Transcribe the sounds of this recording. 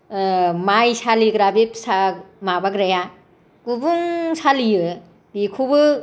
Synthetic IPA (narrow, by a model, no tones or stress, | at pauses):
majsaliɡɾabepsamabaɡɾaja | kubuŋsalijɯ | bikʰubɯ